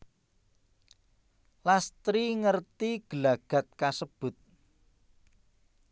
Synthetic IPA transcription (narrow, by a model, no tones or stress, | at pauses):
last̪ɾiŋərt̪iɡ̥əlaɡ̥a̤t̪̚kasəb̥ʊt̪̚